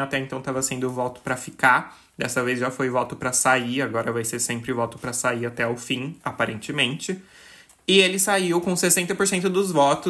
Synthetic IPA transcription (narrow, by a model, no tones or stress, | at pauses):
at̪ɛẽt̪ɐ̃t̪avɐsẽnd̪ʊvɔt̪ʊ̥pɾɐfika | d̪ɛsɐvezʒafojvɔt̪ʊpɾɐsaiaɡɔɾɐvajseɾsẽmpɾɪvɔt̪ʊ̥pɾɐsaiat̪ɛawfĩapaɾẽnt͡ʃɪmẽnt͡ʃɪ | ɪelɪsaiwkõsesẽnt̪ɐpoɾsẽnt̪ʊd̪ʊzvɔt̪ʊ